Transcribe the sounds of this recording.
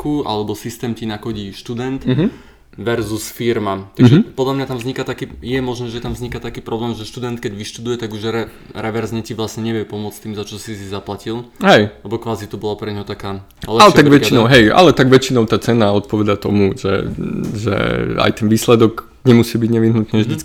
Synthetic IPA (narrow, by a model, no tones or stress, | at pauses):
kuʔa̰lɛbɔsist̪ɛːmcinakɔɟiːʃt̪ud̪ɛnt̪ɦ | ʋɛɾzusfiɾmat̪aɡʒɛpɔd̪lamɲat̪amzɲikat̪akiːjɛmɔʒnɛːʒɛt̪amvzɲikat̪akiːpɾɔblɛːmʒɛʃt̪ud̪ɛnt̪̚kɛɟʋiʃt̪ud̪ujɛt̪aɡuʒɾɛ | ɾɛʋɛɾzɲɛciʋlasɲɛɲɛʋɛpɔmʊɔt͡st̪iːmzat͡ʃɔsisizaplacilˠɦɛjlɛbɔkʋaːzit̪ubɔlapɾɛɲɦɔt̪akaː | lɛalɛt̪aɡʋɛt͡ʃinɔʊɦɛja̰lɛt̪aɡʋɛt͡ʃinɔʊt̪aːt͡sɛnaɔt̪̚pɔʋɛd̪at̪ɔmuʒɛ̰ʒɛ̰a̰jt̪ɛnʋiːslɛd̪ɔɡ | ɲɛmusiːbiɟɲɛʋiɦnut̪nɛːʒd̪it͡sk